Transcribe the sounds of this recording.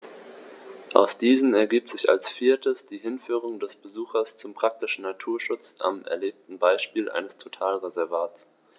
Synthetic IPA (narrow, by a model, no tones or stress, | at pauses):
ʔa̰ʊsd̥iːzn̩ɛɐɡiːp̚tz̥ɪça̰lsfiːɐtəsd̥iːɦɪnfyːʁ̞ʊŋdɛsb̥əzuːxɐst͡sʊmpʁ̥ak̚tɪʃn̩natʰuːɐʃʊt͡sʔa̰mʔɛ̰ɐleːp̚tn̩baɪʃpiːlʔa̰ɪnəstʰotʰaːlʁezɛɐvaːts